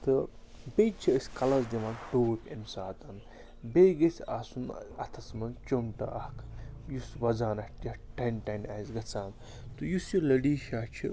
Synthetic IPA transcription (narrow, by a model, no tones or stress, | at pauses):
t̪ɨ | bet͡ʃʰiəsʲkɐlɐzd̪imaːnʈoːpʲɐmsaːt̪ɐn | bejɡɐsʲaːsunɐ̰t̪ʰɐsmɐnt͡ʃomʈɐ̰ʔɐhkʰjusʋɐzaːnɐʈjɐʈɐnʈɐnaːsɡɐt͡saːm | t̪ɨjusjolɐɖiːʃaːt͡ʃʰḭ